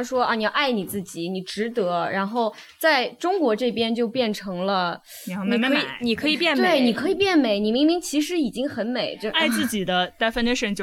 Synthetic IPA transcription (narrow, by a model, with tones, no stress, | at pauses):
ʂwɔ˥ɑ˥˧˩ni˨˩jɑ˥˧ʔa˥˩ɪni˨˩t͡sɹ̩˥˩t͡ɕi˨˩˦ni˨˩ʈ͡ʂɻ̩˧˥t̪ɤ˧˥ɻa˧˥nxo˥˩ʊ | t͡sa˥˩ɪʈ͡ʂʊ˥ŋkwɔ˧˥ʈ͡ʂɤ˥˩pjɛ˥nt͡ɕjo˥˧ʊpjɛ˥˩nʈ͡ʂʰɤ˧˥ŋlə˧ | ni˨˩˥ni˨˩mi˧˥˧ni˨˩kʰɤ˧˥i˨˩pjɛ˥˩nt̪we˥˩ɪni˨˩kʰɤ˧˥i˨˩pjɛ˥˩nme˨˧˩ɪni˨˩˥mi˧˥ŋmi˧˥ŋt͡ɕʰi˧˥ʂɻ̩˧˥i˨˩t͡ɕi˥ŋxə˧˥nme˨˩ɪʈ͡ʂa˥˧ɪt͡sɹ̩˥˩t͡ɕi˨˩d̪ə˦t̪a˥˧ɪfə˥˧nə˥ʂə˥ŋt͡ɕ